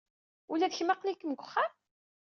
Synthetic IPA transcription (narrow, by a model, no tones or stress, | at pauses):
ulæðəçmaqlikːəmɡʷʊχːam